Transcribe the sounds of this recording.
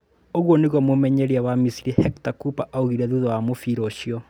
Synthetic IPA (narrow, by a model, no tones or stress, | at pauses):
oɣwɔneɣwɔmomɛɲɛɾiawamisiɾihɛktakupaʔauɣiɾɛðuðɔwamofiɾɔʃiɔ